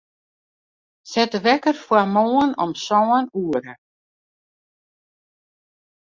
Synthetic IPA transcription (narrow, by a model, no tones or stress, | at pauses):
sɛt̪vɛkaɾ̥fɔamoːwanɔ̰msaːwanuːɾa